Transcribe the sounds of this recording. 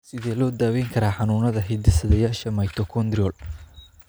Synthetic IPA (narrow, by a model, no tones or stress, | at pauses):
sɪðɛːlɔːd̪aːwɛŋkʰɐɾaːħɑnuːnɐðɐɦɛjd̪ɪsɐðɛjaːʃɐmɐjt̪ʰɔkʰɔnd̪ɾɪɔl